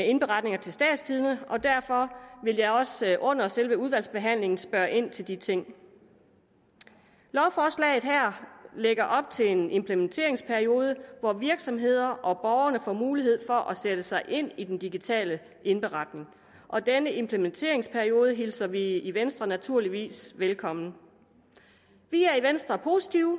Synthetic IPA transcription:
ee̝nb̥e̝ʁɑ̈d̥ne̝ŋɐt͡sʰe̝lsd̥ɛ̰ːd̥st͡sʰiːð̞ˠnəʔɒ̽d̥æɐfɒ̽ʋe̝ljɑ̈ɪɒ̽sʔɔ̽n̰ɐselʋəuð̞ˠʋæl̰sb̥e̝ɦæn̰le̝ŋn̩sb̥ɶɐʔe̝n̰t͡sʰe̝ld̥it͡sʰe̝ŋ̰ | lɒʊfɒːslɛ̰ɪð̞̩ˠɦæɐ̰leɡ̥ɐʔɒ̽b̥̚t͡sʰe̝lene̝mpʰlement͡sʰe̝̰ɐ̰e̝ŋspʰæɐio̝ːð̞ˠəʋɒʋiɐɡ̥sɒ̽mɦe̝ð̞̰ˠɐʔɒ̽b̥ɒʊɐnəfɒ̰muːlihe̝ð̞̰ˠfɒ̽ʔæsed̥əsɑ̈ɪʔe̝n̰id̥end̥iɡ̥it͡sʰɛ̰ːlə | ʔe̝nb̥e̝ʁɑ̈d̥ne̝ŋ | ʔɒ̽d̥enəʔe̝mpʰlement͡sʰe̝̰ːɐe̝ŋspʰæɐio̝ːð̞ˠəɦilsɐʋiiʋensd̥ʁɐnæt͡sʰuɐ̰liʋḭːsʋelkʰɒ̽m̰nə | ʋiæɐiʋensd̥ʁɐpʰo̝si̥t͡sʰiʊ

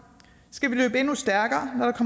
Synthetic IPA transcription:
sɡ̥æʋilø̰ːb̥əe̝nusd̥æɐɡ̥ɐːnɒɾ̥ɑkʰɒ̽m

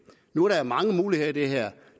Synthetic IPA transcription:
nuæɐɾɑæɐmɑ̈ŋəmuːliheðˠɐd̥e̝ɦeɐ̰

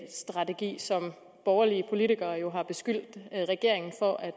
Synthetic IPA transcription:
sd̥ʁɑ̈t͡sʰe̝ɡ̥ḭːsɒ̽m | b̥ɒːʊɐliəpʰo̝lit͡sʰiɡ̥ɐːjo̝ɦɑ̈b̥e̝sɡ̥yl̰d̥ʁɛɡ̥e̝ɐ̰eŋn̩fɒ̽ʔæ̥

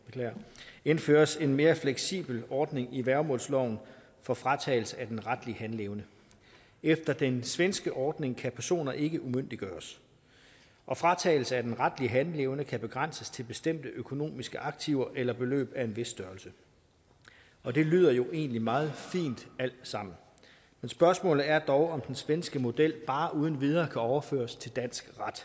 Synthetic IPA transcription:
kʰlɐe̝nfø̰ːɐse̝nme̝ːɐfleɡ̥sḭːb̥l̩ɒːd̥ne̝ŋiʋæɐmɔ̰̽ːlslɒʊ̰n̩ | fɒ̽fʁɑ̈t͡sʰɛ̰ːɪl̩səæd̥enʁad̥liəhænleːʊnə | efd̥ɐd̥ensʋensɡ̥əʔɒːd̥ne̝ŋkʰæpʰæɐso̝̰ːnɐʔe̝ɡ̥əʔumøn̰d̥iɡ̥ɶːɐs | ʔɒ̽fʁɑ̈t͡sʰɛ̰ːɪl̩səæd̥enʁad̥liəɦænle̝ʊnəkʰæb̥e̝ɡ̥ʁɑn̰səst͡sʰe̝lb̥e̝sd̥em̰d̥əʔøkʰo̝no̝̰ːmisɡ̥əʔɑ̈ɡ̥̚t͡sʰiʊɐʔelɐb̥e̝lø̰ːb̥æe̝nʋe̝sd̥ɶːɐlsə | ɒ̽d̥e̝ly̰ːð̞ˠɐjo̝ʔe̝̰ːnlimɑ̈ːð̞̩ˠfḭːnd̥æl̰d̥sɑ̈m̰n̩ | mensb̥ɶɐsmɔ̰̽ːlð̩ˠæɐd̥ɒʊɒ̽md̥ensʋensɡ̥əmo̝d̥el̰b̥ɑ̈ːʔuːðˠn̩ʋið̞ˠɐːkʰæɒʊɐfø̰ːɐst͡sʰe̝ld̥æn̰sɡ̥ʁɑd̥

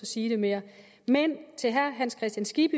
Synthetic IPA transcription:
ɒsiːd̥e̝me̝ːɐ | ment͡sʰe̝lɦæɐɦænskʰʁɛsd̥jænsɡ̥ib̥ə

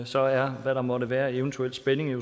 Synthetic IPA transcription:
sɒ̽æɐʋæɾɑ̈mɒ̽ɾəʋæːɐe̝ənt͡sʰuel̰d̥sb̥ene̝ŋe

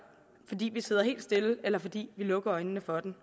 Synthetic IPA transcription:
fɒ̽d̥ḭːʋise̝ð̞̰ˠɐɦe̝̰ːld̥sd̥e̝ləelɐfɒ̽d̥ḭːʋilɔ̽ɡ̥ɐɒ̽ɪnənəfɒ̽d̥en

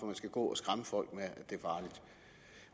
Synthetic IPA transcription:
ɒmænsɡ̥æɡ̥ɔ̰ːɒsɡ̥ʁaməfɒ̽l̰ɡ̥meæd̥e̝æɐfɑ̈ːlid̥

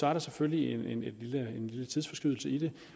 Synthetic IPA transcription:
sɒ̽æɐɾ̥ɑ̈seføllienene̝d̥liləenlilət͡sʰið̞ˠfɒ̽sɡ̥ʁyðˠl̩səid̥e̝

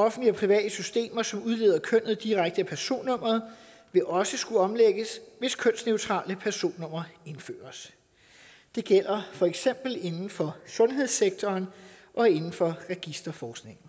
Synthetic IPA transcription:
ɒ̽fn̩dliɒpʰʁiʋɛ̰ːd̥əsysd̥e̝̰ːmɐsɒ̽muð̞ˠle̝ːð̰ˠɐkʰøn̰ð̩ˠd̥iʁaɡ̥̚d̥əæpʰæɐso̝̰ːnːɔ̽m̰ɐðˠ | ʋe̝ʔɒ̽səsɡ̥uɒ̽mleɡ̥əsʋe̝skʰøn̰sneʊt͡sʰʁɑ̰̈ːləpʰæɐso̝̰ːnːɔ̽m̰ɐe̝nfø̰ːɐs | d̥e̝ɡ̥el̰ɐfɒ̽eɡ̥sem̰b̥l̩e̝nn̩fɒ̽sɔ̽nɦe̝ð̞̰ˠseɡ̥̚t͡sʰɒːnʔɒ̽e̝nn̩fɒ̽ʁɛɡ̥isd̥ɐfɒːsɡ̥ne̝ŋ̰n̩

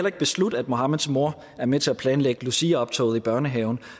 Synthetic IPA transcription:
elɐe̝ɡ̥̚b̥e̝slud̥æd̥̚mo̝hɑ̈məðˠsmo̝ɐ̰ | æɐmet͡sʰe̝læpʰlɛːnleɡ̥əlusiːɐɒ̽b̥t͡sʰɒ̰ʊð̩ˠib̥ɶɐnəɦɛːʊn̩

